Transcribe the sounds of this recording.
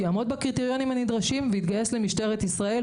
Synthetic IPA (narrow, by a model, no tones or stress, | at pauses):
jaːmo̞d̪bakʁit̪eʁjo̞nimhanid̪ʁaʃimveit̪ɡaje̞slemiʃte̞ʁet̪isʁae